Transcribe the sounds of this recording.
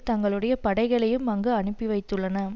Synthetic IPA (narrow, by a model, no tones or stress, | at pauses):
t̪ɐŋɡɐɭɯɽɐjɐpɐɽɐɪɣɐɭɐjɯmɐŋɡɐɐnɯpːiʋɐɪt̪ːɯɭːɐnɐ